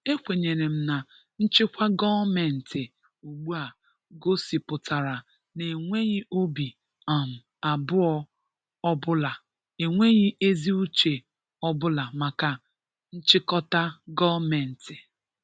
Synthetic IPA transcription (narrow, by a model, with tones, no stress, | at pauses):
e˦kʷe˨ɲe˨ɾe˨m̩˦na˨ | n̩˦t͡ʃɪ˦kʷa˦ɡɔ˦me˨n̩˨tɪ˨ | u˨ɡ͡bu˦a˨ | ɡo˦si˨pʊ˨tʰa˨ɾa˨ | ne˨ŋʷe˦ɣɪ˦ʔo˦bi˨ | a˨m̩˨ | a˨bʊ˦ɔ˦ | ɔ˦bʊ˦la˨ | e˨ŋʷe˦ɣɪ˦ʔe˦zi˦u˦t͡ʃe˨ | ɔ˦bʊ˦la˨ma˨ka˨ | n̩˦t͡ʃɪ˦kɔ˦ta˦ɡɔ˦me˨n̩˨tɪ˨